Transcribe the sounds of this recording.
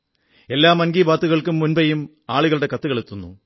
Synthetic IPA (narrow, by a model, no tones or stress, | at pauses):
e̞lːaːmɐnɡiːbaːt̪ːuɣɐɭkumːunbɐjum | aːɭuɣɐɭɽe̞kɐt̪ːuɣɐɭet̪ːunːṵ